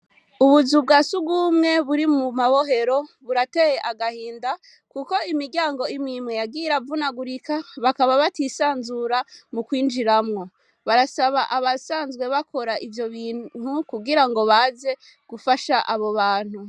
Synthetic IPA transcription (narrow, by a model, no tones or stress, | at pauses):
uβuzub̚ɡasuɡumŋe̞βuɾimumaβo̞ɦe̞ɾo̞βuɾatejeʔaɡahiːnda | kuko̞imiɾɟaːŋɡo̞imimŋejaɡiːɾavunaɡuɾikaβakaβaβatisaːnzuɾamukwiːnd͡ʒiɾamŋo̞ | βaɾasaβaʔaβasaːnzɡwe̞βakʰo̞ɾaʔivjo̞βiːn̥ukuɡiɾaŋɡo̞βaze̞ | ɡ̥ufaʃaʔaβo̞βaːn̥hu